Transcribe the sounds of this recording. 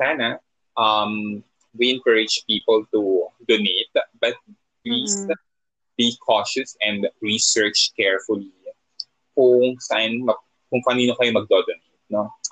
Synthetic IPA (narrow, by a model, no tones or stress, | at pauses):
saːnɐ | ʔɐm | wiʔɛ̃nkəɹɪd͡ʒpiːpɐlt̪ud̪onet̪̚bɐt̪̚ | t̪list̪ | bikʰɔʃɐsɛ̃nd̪ɹisɜɹt͡ʃkɛɹfʊli | kʊŋsɐʔanmɐ | kʊŋpɐɐniːnokɐjomɐɡ̚d̪od̪onet̪̚no